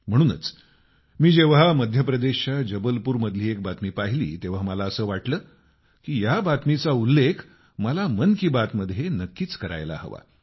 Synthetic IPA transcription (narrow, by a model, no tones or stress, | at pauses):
m̤əɽ̃uːnə̰t͡s | miːd͡ʑeʋɦaməd̪ʱjəpɾəd̪eɕad͡ʑəbəlpuːɾməd̪ʱliːek̚bat̪miːpaɦilḭːt̪eʋ̤aməlaəsəːʋaʈləː | kiːjabat̪mit͡saulːekʰ | məlamənkiːbat̪məd̪ʱːjenəkːiːt͡skəɾa̰jla̰hə̰ʋa̰